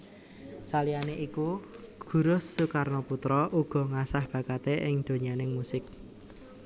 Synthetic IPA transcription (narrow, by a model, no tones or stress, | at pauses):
salianeʔikuɡ̥ṳɾʊsːukarnoput̪ɾɔʔuɡ̥ɔ̤ŋasahb̥ä̤kat̪eʔɪŋd̪̥o̤ɲanɪŋmusɪk̚